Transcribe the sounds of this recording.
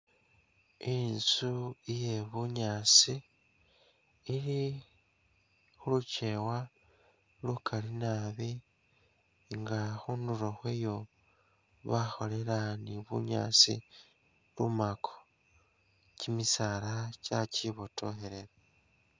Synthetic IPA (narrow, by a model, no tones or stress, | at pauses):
insuije̞βuɲaːt͡si | ili | xulut͡ʃe̞wa | lukʰalinaβi | ŋɡaxunduɾoxwejo̞ | βaxo̞le̞laniβṵɲa̰ːt͡sḭ | lumakʰo̥ | cimisalat͡ʃaciβotʰo̰xe̞ɾeɾe